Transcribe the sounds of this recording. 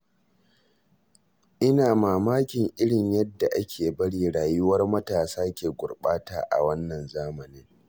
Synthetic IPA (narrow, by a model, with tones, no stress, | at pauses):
ʔɪ˦naː˨maː˨maː˦kʲɪ˨ŋʔɪ˦ɽɪ˨ɲjɐ˦dːa˨ʔa˦kʲʰeː˨bɐ˦ɽiː˦˨ɽaː˨jʊ˦wɐ˦rmɐ˦taː˨saː˦kʲeː˨ɡʷʊ˨rɓaː˦taː˨ʔa̰˨wɐ˦nːɐ˨nzaː˦mɐ˨nɪ˦ŋ